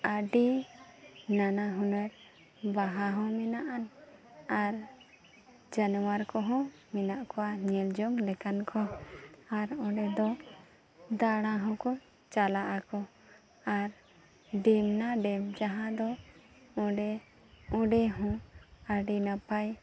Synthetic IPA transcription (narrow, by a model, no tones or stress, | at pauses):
aɖi | nanaɦũnɛɾ | baɦaɦɔ̃mɛnaʔanaɾ | d͡ʒanɔwaɾkɔɦɔ̃ | mɛnaʔkɔwaɲɛld͡ʒɔŋlɛkankʰɔaɾɔ̃ɖɛd̪ɔ | d̪aɽ̃ãɦɔ̃kɔ | t͡ʃalaʔakɔ | aɾ | ɖɛmnaɖɛmd͡ʒaɦãd̪ɔ | ɔ̃ɖɛ | ɔ̃ɖɛɦɔ̃aɖinapaj